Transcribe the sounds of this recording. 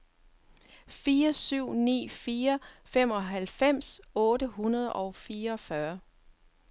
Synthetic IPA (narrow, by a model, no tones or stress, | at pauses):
fiːɐsyʊ̰nḭːfiːɐfem̰ɒ̽ɦælfem̰sɔ̽ːɾəɦunɐð̞ˠɒ̽ʊfiːɐɒ̽fɶɐ